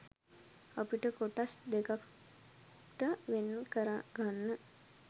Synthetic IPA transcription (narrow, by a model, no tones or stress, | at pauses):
apiʈəkoʈasd̪ekak | ʈəʋenːkəɾaɡanːə